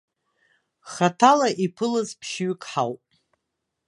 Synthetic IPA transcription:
χatʰalaʔipʰɨlazpʰʃɥkʰʼħawpʼ

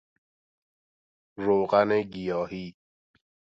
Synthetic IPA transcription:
ɾokanɛɡijɔhi

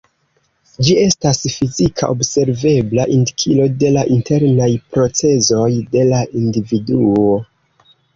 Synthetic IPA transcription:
d͡ʒie̞stasfizikʰaʔo̞bse̞ɾve̞blaʔindikʰilo̞de̞laʔinte̞ɾnajpɾo̞t͡se̞zo̞jde̞laʔindividuo̞

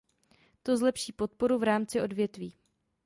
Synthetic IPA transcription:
t̪o̞zlɛpʃiːpo̞t̪̚po̞ɾuvɾaːmt͡sɪʔo̞dvjɛt̪viː

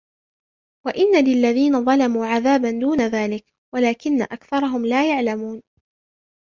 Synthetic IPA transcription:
waʔɪnːalɪlːaðiːnaðˤɑlamuːʕaðaːband̪uːnaðaːlɪk | walaːkɪnːa̰ʔakθɑɾˤɑɦʊmlaːjaʕlamuːn

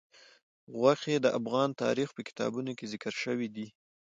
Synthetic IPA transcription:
ɣwaxed̪əʔafɣɑnt̪ɑ̰ɾixpəkɪ̥t̪ɑ̰bunokezɪkəɾʃəwid̪i

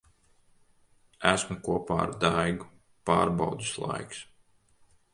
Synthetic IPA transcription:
æsmukuɔpa̰ːa̰ɾd̪ajɡu | paːɾbawd̪i̥slˠa̰jks

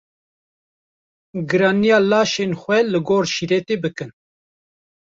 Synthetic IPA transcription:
ɡɨɾɑːnijɑːlɑːʃeːnxʷɛlɨɡoːɾʃiɾɛt̪eːbɨkɨn

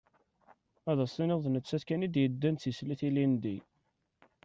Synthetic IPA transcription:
æðæsˤinɪðˤnət͡sːæθkænid̪jəd̪ːænθjəsliθilind̪i

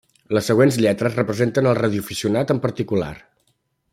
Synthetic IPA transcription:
ləsːəɣ̞wenzʎɛt̪ɾəzrəpɾəzent̪ənəlˠrəð̞iufisiunat̪əmpəɾt̪ikula̰r

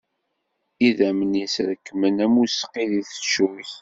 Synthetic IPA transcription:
iðæmənisɾəkːmənæmusqːiðiθə̥t͡ʃːuç

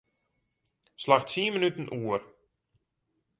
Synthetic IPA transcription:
slaxtsiːəmənytn̩ʔuər

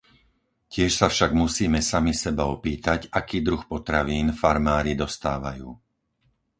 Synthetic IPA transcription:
cɪɛʃsafʃaɡmusiːmɛsamisɛbaɔpiːt̪aɟakiːd̪ɾuxpɔt̪ɾaʋiːnfaɾmaːɾid̪ɔst̪aːʋajuː

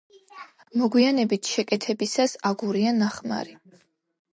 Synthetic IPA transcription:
mɔɡwianɛbit̪ʰʃɛkʼɛt̪ʰɛbisasaɡuɾianaχma̰ɾi

